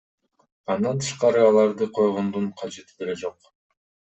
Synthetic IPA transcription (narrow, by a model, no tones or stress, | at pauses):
ɑnd̪ɑnt̪ʰɯ̥ʃqɑɾɯɑlˠɑɾd̪ɯqʰo̞jʁond̪uɴqʰɑd͡ʒe̞t̪i̥d̪e̞le̞d͡ʒo̞q